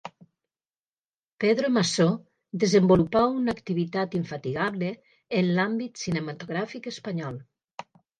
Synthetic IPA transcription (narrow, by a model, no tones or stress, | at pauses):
peðɾomaso | d̪ezəmbulupaunakt̪iβ̞it̪at̪iɱfat̪iɣaβleː | nlambit̪sinemat̪oɣ̞ɾafikespaɲɔlˠ